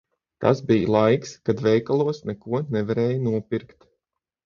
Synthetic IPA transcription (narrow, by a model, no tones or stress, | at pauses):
t̪a̰sbijlˠajkskad̪vɛjkalˠuɔsnɛkuɔnɛvaɾɛːjnuɔpʲiɾkt̪